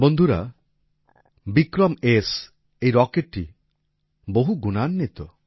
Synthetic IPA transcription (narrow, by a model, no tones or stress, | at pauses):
bond̪ʱuɾa̰ | bikɾɔmes | ejɾɔkeʈʈːi | boɦuɡunanːet̪ɔ